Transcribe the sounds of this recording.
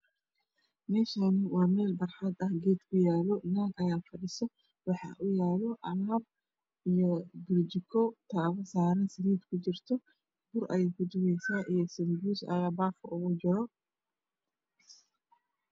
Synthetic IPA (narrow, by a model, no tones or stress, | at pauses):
mɛːʃanɪwaːmɛːlbɐrħad̪ɐhɡeːt̪kʊjaːlɔnanʔɐjaːfɐɗɪsɔ | wɑħɑ̰ʔʊjaːlɔʔɐɾab̚ | ʔijɔbɪɾd͡ʒɪkʰɔt̪ʰaβɐsaːɾɐnsɪniːt̪kʰʊd͡ʒɪrt̪ʰɔ | bʊɾʔɐ̰jɪkʊd̪ʊɣɛjsaːʔijɔsɐndusɐ̰jaːbaːfɔʔɔɣɔd͡ʒɪɾɔ